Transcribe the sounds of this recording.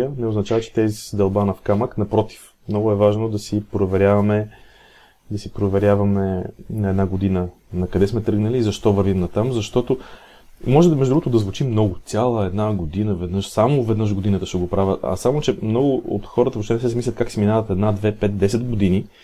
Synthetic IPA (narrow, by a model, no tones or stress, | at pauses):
ənɛʊznɐt͡ʃavət͡ʃɛ̥t̪ɛzisd̪ɛlˠbanɐfkaməknɐpɾɔt̪i̥f | mnɔɡʊɛvaʒnod̪ɐsipɾovɛɾʲjavɐmɛ | d̪ɐsipɾovɛɾʲjavɐmɛnɐɛd̪naɡod̪inənɐkɐd̪ɛsmɛt̪ɤɡnəliːzɐʃt̪ɔvəɾvimnɐt̪amzɐʃt̪ɔt̪o | mɔʒɛmɛʒd̪ɾuɡot̪ʊd̪ɐzvʊt͡ʃimnɔɡʊsʲalˠəɛd̪naɡod̪inəvɛd̪nɤʃsamovɛd̪nɤəʃ̬ɡod̪inət̪əʃɛɡopɾavʲəɐ̰samot͡ʃɛmnɔɡʊo̰t̪xɔɾət̪əvɐʃt̪ɛnɛs̬ɛsɛmislʲət̪̚kaksiminavɐt̪ɛd̪nad̪vɛpɛt̪̚d̪ɛsɛd̪ɡod̪ini